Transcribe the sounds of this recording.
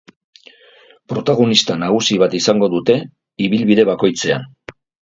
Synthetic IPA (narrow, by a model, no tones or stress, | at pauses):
pɾo̞t̪aɣ̞o̞nist̪anaɣ̞usiβ̞at̪isaŋɡo̞ðut̪e̞ | iβilβiðe̞βako̞jt͡se̞a̰n